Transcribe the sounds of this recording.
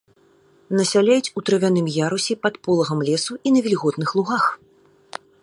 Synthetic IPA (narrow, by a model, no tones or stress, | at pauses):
nɐsʲalʲajut͡sʲut̪ɾɐvʲanɨmjaɾusʲipɐt̪pɔlˠɐɣɐmlʲɛsuʔinɐvʲilʲɣɔt̪nɨxlˠuɣax